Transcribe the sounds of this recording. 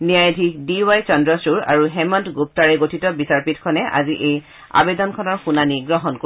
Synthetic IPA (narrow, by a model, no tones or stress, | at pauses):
nijajdʱikdiwajt͡ʃɔndɹɔsuɹa̰ɹuɦɛmɔntɡup̚taɹɛɡotʰitɔbisaɹpitkʰɔnɛʔa̰ziʔej | a̰bedɔnkʰɔnɔɹxunaniɡɹɔɦɔnko